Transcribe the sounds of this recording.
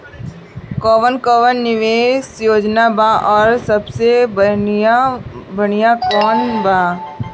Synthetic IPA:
kɔːʋənkɔːʋənːɪʋeːsjoːd͡ʒnabaʔɔːɾsɐbse | bɐɽijakɔːnbaː

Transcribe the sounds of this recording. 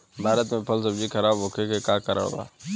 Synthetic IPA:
bʱaːɾət̪mẽpʰɐls̬ɐbd͡ʒikʰɐɾaːboːkʰekekaːkəɾə̰ɭba̰ː

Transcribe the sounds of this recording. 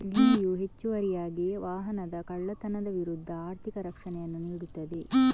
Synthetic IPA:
ɡiːijuɦe̞t͡ʃːuʋɐɾijaːɡiʋaːɦɐnɐd̪ɐkɐɭːɐt̪ɐnɐd̪ɐʋiɾud̪ʱːɐaːɾt̪ʰikɐɾɐkʂɐnɛjɐnːuniːɽut̪ːɐd̪e̞

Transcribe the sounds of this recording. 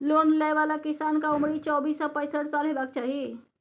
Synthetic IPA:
lonlajʋalakisankaumɽit͡ʃɔbisːɔpəjsəʈsalɦebakt͡ʃaɦi

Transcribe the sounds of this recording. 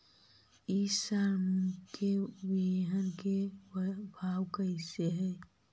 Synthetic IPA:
isaɾmʊkʰewiɦənke | bʱaːwkaɪseɦɛː

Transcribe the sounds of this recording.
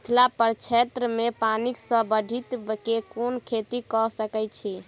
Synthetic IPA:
t̪ʰlapəɾt͡ʃʰet̪ɾəmepaniksə̃bəɖʱit̪kekonkʰet̪ikɔsəkɛt͡ʃʰi

